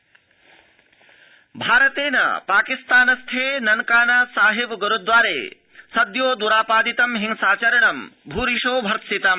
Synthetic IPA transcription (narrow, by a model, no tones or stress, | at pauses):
bʱaːɾɐt̪eːnɐ̰paːkist̪aːnɐst̪ʰeːnɐnkaːnɐsaːɦebɡɐɾud̪ʋaːɾḛː | sɐd̪joːd̪uɾaːpaːd̪it̪ɐmɦiŋsaːt͡ʃɐɾɐnɐmbʱuːɾiʃoːbʱɐɾt̪sit̪ɐm